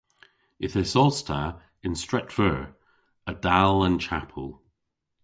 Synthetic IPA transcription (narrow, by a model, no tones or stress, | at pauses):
ɪθɪzɔstʰə | ɪ̃nstɹ̥ɛʔfə˞ | ədalˠə̃nt͡ʃʰapʰəlˠ